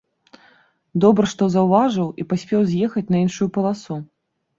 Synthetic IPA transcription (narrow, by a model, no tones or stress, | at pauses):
d̪ɔbɾɐʂt̪ɔzɐwvaʐɨwipasʲpʲɛwzʲjɛxɐt͡sʲnɐinʂujupɐlˠasu